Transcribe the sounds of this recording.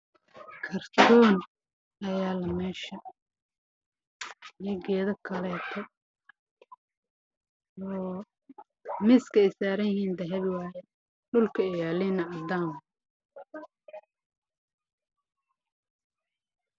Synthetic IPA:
kʰɐrt̪ʰɔːn | ɐjaːlɐmɛːʃɐ | jɛɡɛːðɐkʰɐlɛːt̪ʰɔ | ɔː | mɪskʰɐɛjsaːɾɐjɪɦiːnd̪ɐɦɛβɪwaːjɛ | ɖʊlkʰɐɛjaːlinɐɐd̪aːmɐ

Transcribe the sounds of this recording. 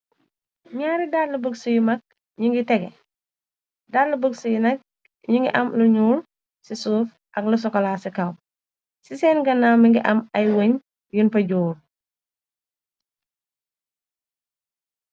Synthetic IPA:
ɲaːɾidaːdlɐbəksujumɐk̚ | ɲuŋɡitɛɡɛ̰ | daːdlubəɡsujunɐk̚ | ɲiŋɡiʔɐmluɲuːl | sisuːf | ʔɐklɐs̬ɔkɔlaːsikɐw | sisɛːnɡɐnamiŋɡiʔɐmɐjwoɲ | junpɐɟuːɾ

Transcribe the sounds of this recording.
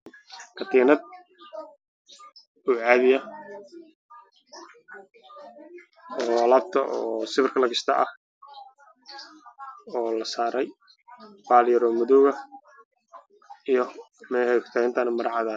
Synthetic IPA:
kʰɐt̪ʰiːnɐd̪̚ | uːʕɑːðɪjɐ | ɔlaːb̚t̪ʰɐʔɔːsɪbɪrkʰɐlɐɣɪst̪ʰɐʔɐh | ɔːlɐsaːɾɛj | baːljɐɾɔmʊðɔːɣɐ | ijɞ | mɛhɛkʰt̪ʰaːɪnt̪ʰɐnɐmɐɾɑʕɑðaːn

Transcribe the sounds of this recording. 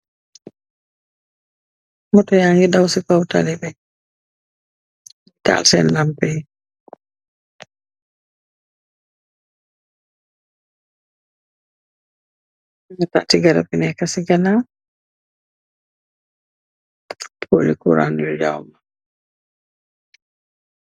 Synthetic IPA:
mɔtɔjaŋɡidawsikawtalɛbɛ | ta̰lsɛ̰nlampɛj | ŋata̰ʔtiɡaɾa̰binɛkasiɡana | pʰo̰likṵɾa̰njɔja̰wma

